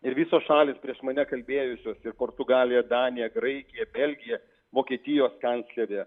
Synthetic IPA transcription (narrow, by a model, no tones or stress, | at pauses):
ɪɾʋʲiːsoːsʃɑːlʲɪːspʲɾʲiɛʃmɐnʲɛkɐlʲbʲeːjʊsʲoːsɪɾpoːɾt̪ʊɡɑːlʲɪjɛd̪ɑːnʲɪjɛɡɾɐɪkʲɪjɛbʲɛlʲɡʲɪjɛ | ʋoːkʲiɛt̪ʲɪjoːskɐnʲtsʲlʲɛɾʲeː